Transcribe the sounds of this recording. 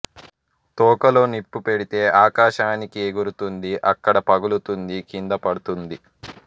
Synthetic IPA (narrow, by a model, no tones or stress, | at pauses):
t̪ɔːkɐlo̞ːnipːupeɽit̪e̞ːʔaːkaːʃaːnikieɡuɾut̪und̪iʔɐkːɐɽɐpɐɡulut̪und̪ikind̪ɐpɐɽut̪und̪i